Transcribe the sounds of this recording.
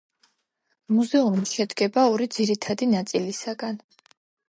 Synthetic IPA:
muzɛumiʃɛd̪ɡɛbaɔɾid̪ziɾit̪ʰad̪inat̪sʼilisaɡan

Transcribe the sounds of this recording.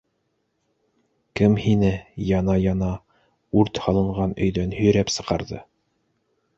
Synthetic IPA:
kɘmhinɘjɑnɑjɑnɑ | ʉɾt̪hɑlˠɤ̆ɴʁɑnɵ̰̆jðænhɵ̆j̆ɾæpsɤ̆qɑɾðɤ

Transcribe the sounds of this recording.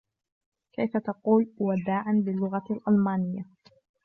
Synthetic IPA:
kajfat̪ɑquːlwad̪aːʕanbɪlːʊɣalʔalmaːnɪjːa

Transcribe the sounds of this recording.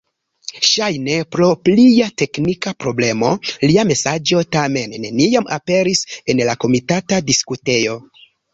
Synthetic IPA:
ʃajne̞pɾo̞plijate̞knikapɾo̞ble̞mo̞liame̞sad͡ʒo̞tame̞nːe̞nijama̰pe̞ɾise̞nlako̞mitatadiskute̞jo̞

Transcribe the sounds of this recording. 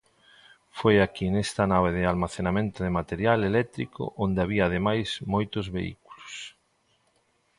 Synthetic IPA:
fojakinest̪anaβ̞eðɪalmaθenamẽnt̪oðemat̪eɾjalelɛt̪ɾikʰo̰ʔond̪eaβiaːðemajsmojt̪ʊzβeḭkulʊs

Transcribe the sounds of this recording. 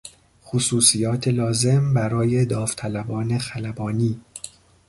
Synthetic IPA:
xosuːsijɒːt̪ʰelɒːze̞mbæɾɒːje̞d̪ɒːft̪ʰælæbɒːne̞xælæbɒːniː

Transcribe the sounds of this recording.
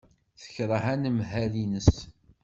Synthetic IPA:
θə̥çɾˤəɦænəmɦælinəs

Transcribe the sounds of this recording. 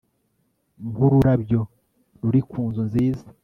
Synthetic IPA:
mhuɾuɾabjo̞ | ɾuɾikʰuːnzunziːzḁ

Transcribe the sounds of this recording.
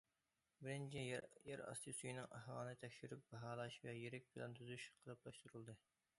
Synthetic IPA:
bɪɾɪnt͡ʃʰijɛɾɑ̰st̪ʰɨsujinɨŋʔɑ̰hwɑːnɨt̪ʰɛkʲʃyɾyp̚bɑɦɑːlˠɑʃvɛjeɾɛk̚ʲbɪlɛ̰nt̪ʰyzyʃqʰəlˠɨplˠɑʃt̪uɾulˠd̪ɨ

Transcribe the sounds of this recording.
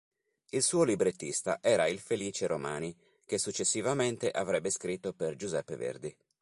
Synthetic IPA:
ilsuːolibɾet̪ːist̪a̰ʔɛːɾailfeliːt͡ʃeɾoma̰ːni | k̟esut͡ʃːesːivament̪eʔavɾɛbːeskɾit̪ːoperd͡ʒuzɛpːevḛrd̪i

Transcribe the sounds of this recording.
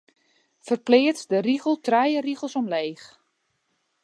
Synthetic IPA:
fərplɪːətdəriɣəlˠtrajəriɣəlˠsɔmleːx

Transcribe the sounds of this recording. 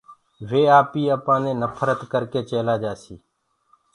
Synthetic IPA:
ʋeːaːpiːəːpãːnẽːnəpʰəɾət̪kəɾkeːt͡ʃeːlaːd͡ʒaːsiː

